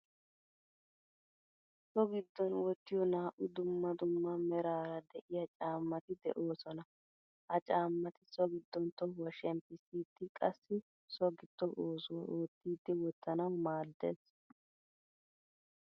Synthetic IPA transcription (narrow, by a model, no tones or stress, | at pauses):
sɔɡɪd̪ːɔnwɔt̪ːɪjɔnaːʔʊd̪ʊmːɐd̪ʊmːɐmɛɾaːɾɐd̪ɛʔɪjɐt͡ʃʼaːmːɐt̪ɪd̪ɛ̰ʔoːsɔnɐ | hɐt͡ʃʼaːmːɐt̪ɪsɔɡɪd̪ːɔnt̪ɔwɐʃɛmpɪsiːt̪ːɪkʼɐsːɪ | sɔɡɪd̪̥ːɔʔoːsuʔoːt̪ːiːd̪ːɪwɔt̪ːɐnɐwmaːd̪ːḛːs